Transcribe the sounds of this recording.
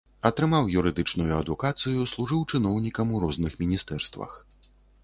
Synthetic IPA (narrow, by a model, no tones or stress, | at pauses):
ɐt̪ɾɨmawjuɾɨd̪ɨt͡ʂnujuɐd̪ukat̪sɨjuslˠuʐɨwt͡ʂɨn̪ɔwnʲikɐmuɾɔznɨxmʲinʲist̪ɛrst̪vɐ̰x